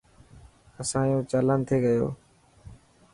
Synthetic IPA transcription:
əsãːjũːt͡ʃələnt̪ʰeːɡəjo̰ː

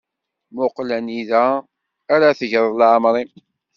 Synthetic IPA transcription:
mʊqlæniðæː | ɾaθəʝɾˤlʕəmɾˤi

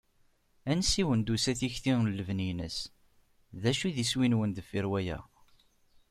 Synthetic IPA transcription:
ænsiwənd̪usæθiçθiŋlːəvninə̰s | ðæʃiðiswinwənd̪əfiɾwæjæ̰

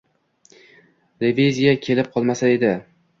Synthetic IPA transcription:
levezʲijakʲʰe̞lɪp̚qʰɒlˠmasae̞d̪ɪ

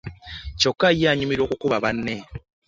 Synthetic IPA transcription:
cokːajaɲumiɾoːkukuβaβanːe

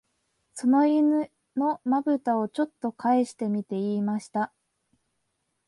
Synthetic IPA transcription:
so̞no̞inɯ | no̞mabɯ̟t̪ao̞t͡ɕo̞t̪ːo̞kʰaeɕi̥t̪e̞mʲit̪e̞iːmaɕi̥t̪a

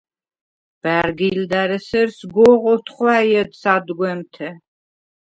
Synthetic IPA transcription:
b̥æɾɡild̪aɾəsɐɾsɡɔʁɔt̪ʰχʷwaːjɛd̪sad̪ɡʷɛmt̪ʰɛ

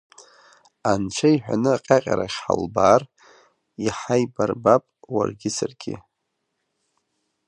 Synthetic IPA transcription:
ant͡ʃʷʰajħᶣʷanɨaqʲʼaqʲʼaɾaχʲħa̰lbaːr | iħajbarbapʼwa̰rɡʲɪsarɡʲɪ

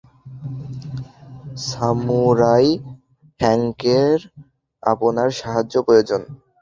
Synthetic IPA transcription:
samuɾaj | hɛŋkeɾ | a̰ponaɾʃaɦad͡ʑːopɾojod͡ʑon

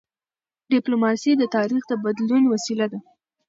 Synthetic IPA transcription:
ɖiplomɑsid̪ət̪ɑɾixd̪əbad̪lunwasilad̪a

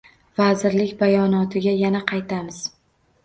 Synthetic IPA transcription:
vazɪɾlɪkʲbajɒnɒt̪ʰɪɡʲajanaqʰɑjt̪ʰamɪz̥

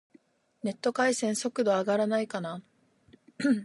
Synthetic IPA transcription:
ne̞t̪ːo̞kaisẽ̞ɰ̃so̞kɯ̟d̪o̞aɡaɾanaikana

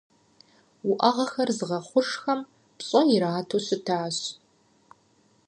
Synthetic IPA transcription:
wʊʔɐʁɐxɐrzɨʁɐχʷʊʂxɐm | pɕʼɐɪɾaːtʰoɕɪtʰaːɕ

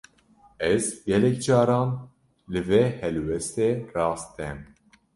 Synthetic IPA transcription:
ɛzɡɛlɛk̚d͡ʒɑːɾɑːn | lɨveːhɛlwɛst̪eːrɑːst̪ɛm

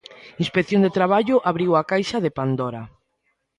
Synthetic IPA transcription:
inspekθjõŋd̪et̪ɾaβ̞aʎʊʔaβɾiwakajʃaðepand̪oɾa

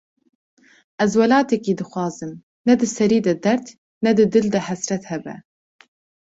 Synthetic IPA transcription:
ʔɛzwɛlɑːt̪ɛkiːd̪ɨxwɑːzɨm | nɛd̪ɨsɛɾiːd̪ɛd̪ɛɾt̪ | nɛd̪ɨd̪ɨld̪ɛhɛsɾɛt̪hɛbɛ̰

